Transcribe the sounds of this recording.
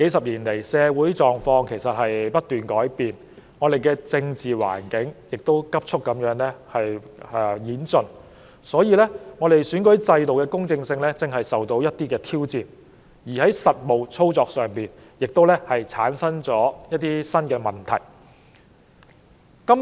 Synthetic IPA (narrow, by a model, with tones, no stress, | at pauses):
ke˨˥jsɐ˨p̚liː˨˩nle˨˩jsɛː˨˧wuː˨˥jt͡sɔː˨ŋfɔː˧ŋkʰe˨˩jsɐ˨t̚hɐ˨jpɐ˥t̚t̪yː˨˩nkɔː˨˥jpiː˨n | ŋɔː˨˧d̪e˨jkɛː˧t͡sɪ˧ŋt͡siː˨wa̰ː˨˩nkɪ˨˥ŋjɪ˨k̚t̪o˥wkɐ˥p̚t͡ʃʰʊ˥k̚kːɐ˨˥mjœː˨˥ŋlɛ˥hɐ˨jɛ˧jiː˨˥nt͡sɵ˨n | sɔː˨˥jiː˨˧lɛ˥ŋɔː˨˧ɾe˨jsyː˨˥nkɵ˨˥jt͡sɐ˧jt̪o˨wkɛː˧kʊ˥ŋt͡sɪ˧ŋsɪ˧ŋlɛː˥t͡sɪ˨ŋɦɐ˨jsɐ˨˩wt̪o˧wjɐ˥t̚t̪iː˥kɛː˧t̪ʰiː˥wt͡siː˨˧n | jiː˨˩hɐ˨˥jsɐ˨t̚mo˨˩wt͡sʰo˥wt͡sɔː˧k̚sœː˨˩ŋpiː˨˩njɪ˨k̚t̪o˥wlɛ˥hɐ˨jt͡sʰa̰ː˨˥nsɐ˥nt͡sɔː˨˥jɐ˥t̚t̪iː˥sɐ˥nkɛː˧mɐ˨nt̪ʰɐ̰˨˩j | kɐ˥m